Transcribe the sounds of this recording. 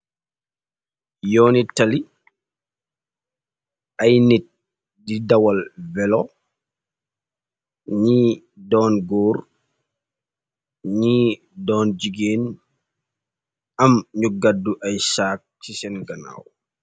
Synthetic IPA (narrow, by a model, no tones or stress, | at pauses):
jɔːnitali | ʔajnit̚ | didawalvɛlɔ | ɲi | dɔːnɡɔːɾ | ɲi | dɔːnd͡ʒiɡeːn | amɲuɡadːuʔajsaːk̚sisɛnɡana̰ːw